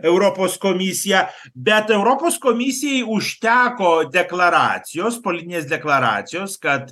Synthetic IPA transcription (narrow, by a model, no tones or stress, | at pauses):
ɛʊɾoːpoːskoːmʲɪsʲɪjɛ | bʲɛt̪ɛʊɾoːpoːskoːmʲɪsʲɪjɛɪʊʃʲt̪ʲæːkoːd̪ʲɛklˠɐɾɑ̰ːt̪sʲɪjoːspolʲɪt̪ʲɪnʲeːsd̪ʲɛklˠɐɾɑ̰ːt̪sʲɪjoːskɐt̪